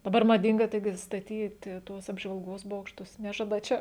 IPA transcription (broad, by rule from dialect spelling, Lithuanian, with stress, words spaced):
dɐˈbɐr mɐˈdʲɪŋɡɐ ˈtɐɪɡʲɪ stɐˈtʲiːtʲɪ ˈtuɔs ɐbʒʋɐlˠˈɡoːs ˈboːkʃtʊs ˈnʲæːʒɐdɐ ˈt͡ʃʲɛ